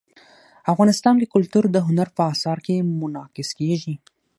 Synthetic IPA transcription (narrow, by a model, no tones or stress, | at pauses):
afɣɑnɪst̪ɑnd̪əkʊlt̪uɾd̪əɦʊnaɾpəɑsɑɾkemʊnɑkɪskeʒi